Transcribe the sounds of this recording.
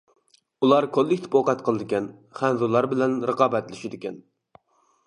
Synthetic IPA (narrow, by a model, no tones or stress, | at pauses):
ulˠɑɾkʰolːɪkʲt̪ʰɪ̥poqɑt̪qʰəlˠɨd̪ɪkʲɛn | χænzulˠːɑɾbɪlɛnɾəqɑːbɛt̪lɪʃɪd̪ɪkʲɛn